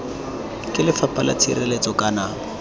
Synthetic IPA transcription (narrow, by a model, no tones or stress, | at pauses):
kʼɪlɪfapʰʼala̰t͡sʰirɛlet͡sɔkʼana